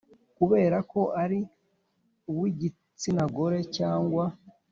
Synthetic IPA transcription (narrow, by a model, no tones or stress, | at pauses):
kuβe̞ːɾako̞ʔaɾi | uβwiɟi | t͡sinaɡo̞ɾe̞caːŋɡwa